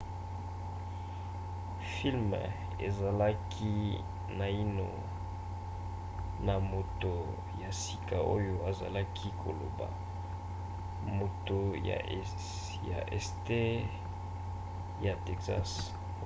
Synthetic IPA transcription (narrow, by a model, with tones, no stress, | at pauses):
fi˦lm | ḛ˨za˨la˦kʰi˦ | na˨i˦no̰˨ | na˨mo˨to˨ | ja˨si˨ka˨ʔo˦jo˨a˨za˨la˦kʰi˦kʰo̰˨lo̰˨ba̰˨ | mo˨to˨ja̰˨ | ja̰˨ʔɛ̰˨ste˦ | ja˨tɛ˨ksa̰˦s